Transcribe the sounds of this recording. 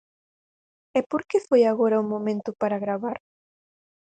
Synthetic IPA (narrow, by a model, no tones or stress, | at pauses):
ɛpoɾkefojaɣoɾauŋmomẽnt̪ʊpaɾaɣɾaβaɾ